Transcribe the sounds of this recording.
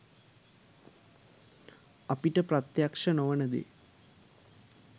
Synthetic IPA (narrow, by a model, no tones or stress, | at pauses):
ɐpiʈəprɐt̪jakʂɐnoʋənəd̪ḛ